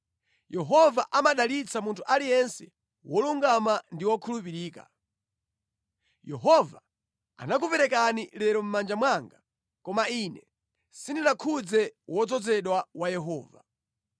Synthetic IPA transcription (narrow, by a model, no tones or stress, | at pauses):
jɛɦɔvaʔamaɗalit͡samuntʰuʔalijɛnsɛ | wɔluŋɡamandiwɔkʰulup̬iɾiːka̰ | jɛɦɔva | a̰nak̬upɛɾɛkanilɛɾɔm̩mand͡ʒamwaŋɡa | kɔmainɛ | sindinakʰud͡zɛwɔd͡zɔd͡zɛɗwawajɛɦɔ̰ːva̰